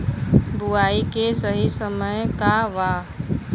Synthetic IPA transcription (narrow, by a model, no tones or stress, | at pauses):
buaːikesəɦisəməjkaʋa